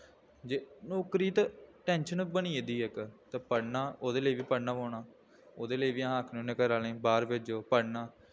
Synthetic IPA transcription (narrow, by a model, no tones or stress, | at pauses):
d͡ʒeːnoːkɾiːt̪aʈɛ̃ːnʃənbəniːeːd̪iːɛkt̪eːpəɽnaːoːd̪eːləiːʋiːpəɽnãːʋoːnaː | oːd̪eːləiːʋiːaɦːkʰnõːnekəɾaːlẽːbaːɾʋɪd͡ʒoːpəɽnaː